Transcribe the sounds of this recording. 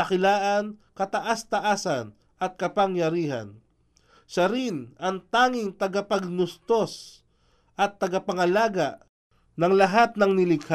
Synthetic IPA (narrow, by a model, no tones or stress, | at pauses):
ɐkɪlaːʔɐnkɐt̪ɐʔast̪ɐʔaːsɐn | ʔɐt̪̚kɐpɐŋjɐɾiːɦɐ̰n | ʃɐɾɪnɐŋt̪aːŋɪŋt̪ɐɡapɐɡ̚nʊst̪os | ʔɐt̪ːɐɡapɐŋɐlaːɡaʔ | nɐŋlɐɦat̪̚nɐŋnɪlɪɡh